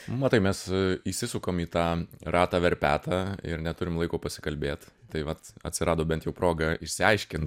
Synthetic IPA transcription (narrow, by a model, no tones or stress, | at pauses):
mɐt̪ɐɪmʲɛsiʃʲsʲɪsʊkoːmiːt̪ɑːɾɑːt̪ɑːʋʲɛɾʲpʲæ̰ːt̪ɑɪ̰ɾnʲɛt̪ʊɾʲɪmlˠɐɪkoːpɐsʲɪ̥kɐlʲbʲeːt̪t̪ɐɪʋɐt̪ɐ̰tʲsʲɪɾɑːd̪oːbʲɛnt̪jɛʊpɾoːɡɑɪʃʲsʲɪɐɪʃʲkʲɪnt